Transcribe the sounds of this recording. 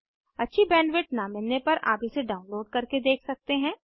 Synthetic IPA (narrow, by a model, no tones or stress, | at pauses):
ɐtːʃʰibɛːnʋɪʈ̚namɪlnepɐɾʔa̰ːpiseɖaːʊ̃nloːɖkɐɾked̪eːkʰsɐk̚t̪eɦɛ̃ː